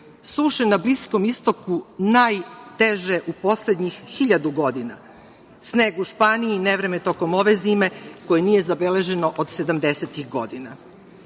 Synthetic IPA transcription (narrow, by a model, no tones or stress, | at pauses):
suːʃenablisko̞mist̪o̞kunajt̪eʒeʔupo̞sled̪ɲixːiʎad̪uɡo̞d̪ina̰ | sneːɡuʃpaːniineʋɾe̞met̪o̞ko̞mo̞ʋeziːme̞ko̞jeniːje̞zabele̞ʒe̞no̞ʔod̪se̞d̪amd̪e̞set̪iɣɡo̞̰d̪ina